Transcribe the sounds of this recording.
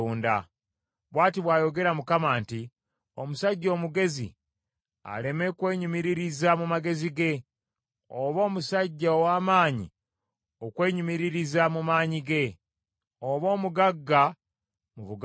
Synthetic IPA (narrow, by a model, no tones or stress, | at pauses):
uːnda̰ | βwaːtiβwaːjo̞ɡe̞ɾamukamaːnti | omusaɟːo̞ːmuɡe̞zḭ | a̰le̞me̞kwe̞ːɲumiɾiɾizamumaɡe̞ziɡe̞ | oβo̞ːmusaɟːaowaːmaːɲḭ | okwe̞ːɲumiɾiɾizamumaːɲiɡe̞ | oβo̞ːmuɡaɡːa | muβuɡ